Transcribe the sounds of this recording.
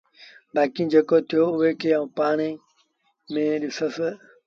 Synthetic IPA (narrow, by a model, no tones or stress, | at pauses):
baːkĩd͡ʒeːkoːt̪ʰɪjoːʊɦekʰeːaũːpaːɳ̃e | mẽːɗɪsəs